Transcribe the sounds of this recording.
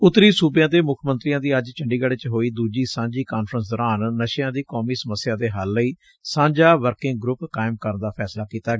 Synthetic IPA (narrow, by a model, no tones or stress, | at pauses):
ʊt̪ːɾiːsuːbjãːd̪eːmʊkʰmənt̪ɾijãːd̪iːəd͡ʒt͡ʃəɳɖiːɡaːɽeːt͡ʃɦoːiːd̪uːd͡ʒiːsãːd͡ʒiːkaːnfʰɾəns̬d̪ɔːɾaːnːəʃjãːd̪iːkoːmiːsəməsɪjãːd̪eːɦalːəiː | sãːɲd͡ʒaːʋəɾkɪ̃ŋɡ̚ɡɾʊpkaːɪmkəɾnd̪aːpʰɛːslaːkiːt̪aːɡ